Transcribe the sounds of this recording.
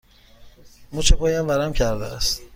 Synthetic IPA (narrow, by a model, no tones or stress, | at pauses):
mut͡ʃʰepʰɒːjæmvæɾæmcʰæɾd̪eæst̪